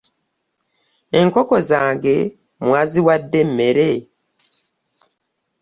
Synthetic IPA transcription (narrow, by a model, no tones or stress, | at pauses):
eŋkokozaːŋɡe | mwaːziwadːemmeɾe